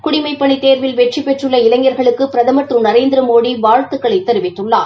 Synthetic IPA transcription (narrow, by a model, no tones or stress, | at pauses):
kʊɽɪmɐɪpːɐɳit̪eːɾʋɪlʋɛʈt͡ʃipːɛʈrɯɭːɐɪlɐŋːɐɾɣɐɭɯkːɯpɪɾɐðɐmɐʈrɯnɐɾeːnd̪ɪɾɐmoːɽiʋaːɻt̪ɯkːɐɭɐɪt̪ːɐɾɯʋɪt̪ːɯɭːa̰ː